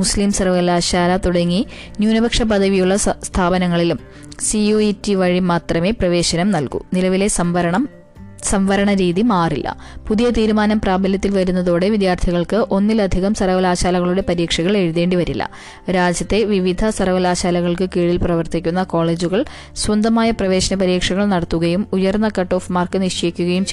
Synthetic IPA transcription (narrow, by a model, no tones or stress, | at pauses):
muslimsɐrʋɐlaːɕaːlɐt̪uɽɐŋːinjuːnɐbɐkʂɐpɐðɐʋijuɭːɐst̪ʰaːbɐnɐŋːɐɭilum | sioːitːiʋɐɻimaːt̪rɐme̞ːprɐʋe̞ːɕɐnɐmnɐlkṵnilɐʋile̞sɐʋɐɳɐ | sɐmʋɐɾɐɳɐɾiːðimaːrilːɐ̰ | puðijɐt̪iːɾumaːnɐmpraːbɐljɐt̪ːilʋɐɾunːɐðo̞ːɽe̞ʋid̪jaːrt̪ʰiɣɐɭkɨʔo̞nːilɐd̪ʱiɣɐmsɐrɐʋɐlaːɕaːlɐɣɐɭuɽe̞pɐɾiːkʂɐɣɐɭe̞ɻuðe̞ːɳɖiʋɐɾilːɐ̰ | ɾaːd͡ʑjɐt̪ːe̞ʋiʋid̪ʱɐsɐrɐʋɐlaːɕaːlɐɣɐɭkɨkeːɻilprɐʋɐrt̪ikʲːunːɐko̞ːɭe̞ːd͡ʑuɣɐɭ | swɐnd̪ɐmaːjɐprɐʋe̞ːɕɐnɐpɐɾiːkʂɐɣɐɭnɐɽɐt̪ːuɣɐjumujɐrnːɐkɐʈːo̞ːfmaːrkɨniʂt͡ɕekʲːuɣɐjum